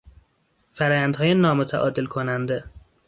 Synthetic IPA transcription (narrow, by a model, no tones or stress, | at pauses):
fæɾɒːjænd̪hɒːjenɒːmo̞t̪ʰæʔɒ̰ːd̪elkʰonænd̪e̞